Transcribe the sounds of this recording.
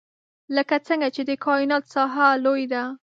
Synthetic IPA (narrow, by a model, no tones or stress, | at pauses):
ləkat͡səŋɡat͡ʃed̪əkʰɑɪnɑt̪sɑɦalojd̪a